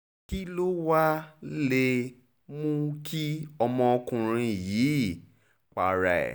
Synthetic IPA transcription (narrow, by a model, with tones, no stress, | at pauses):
ki˦lo˦wa˦le˧ | mũ˦kʰi˦ɔ˧mɔ̃˧o˧kũ˧ɾ̃ĩ˧jiː˨˦˨ | k͡pa̰˨ɾa̰˨ɛ̰˨